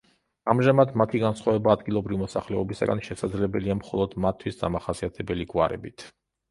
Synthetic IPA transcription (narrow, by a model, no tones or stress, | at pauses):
amʒamad̪mat̪ʰiɡansχwavɛbaːd̪ɡilˠɔbɾivimɔsaχlɛɔbisa̰ɡanʃɛsad̪zlɛbɛliamχɔlˠɔd̪mat̪ʰwisd̪amaχasiat̪ʰɛbɛliɡwaɾɛ̰bit̪ʰ